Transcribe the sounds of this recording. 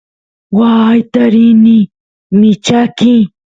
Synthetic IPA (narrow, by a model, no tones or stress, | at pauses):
wajt̪aɾɪnɪ | mɪt͡ʃakɪ